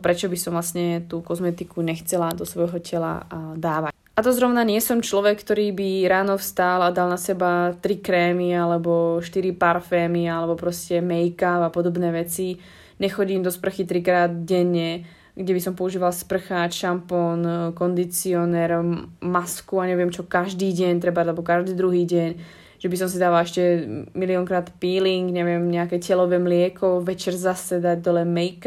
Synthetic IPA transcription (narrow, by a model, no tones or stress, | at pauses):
pɾɛt͡ʃɔbisɔmvlasɲɛt̪uːkɔzmɛt̪ikuɲɛxt͡sɛlad̪ɔsʋɔjɦɔcɛla̰d̪aːʋac | ʔat̪ɔzɾɔʊnaɲɪɛsɔmt͡ʃlɔʋɛkːt̪ɔɾiːbiɾaːnɔfst̪alad̪alnasɛbat̪ɾikɾɛːmialɛbɔʃt̪iɾipaɾfɛːmialɛbɔpɾɔscɛmɛjkapapɔd̪ɔbnɛːʋɛt͡si | ɲɛxɔɟiːmd̪ɔspr̩xit̪ɾikɾaːd̪ɟɛɲːɛ | ɡɟɛbisɔmpɔuʒiːʋalspr̩xaːt͡ʃʃampɔnkɔnd̪it͡siɔnɛːɾmaskuaɲɛʋɪɛmt͡ʃɔkaʒd̪iːɟɛɲt̪̬ɾɛbalɛbɔkaʒd̪iːd̪ɾuɦiːɟɛɲ | ʒ̥ɛbisɔmsid̪aːʋalɛʃcɛmiliɔŋkɾaːt̪piːliŋɡɲɛʋɪɛmɲɛakɛcɛlɔʋɛmlɪɛkʰɔʋɛt͡ʃɛɾzasɛd̪aɟ̚d̪ɔlɛmɛjk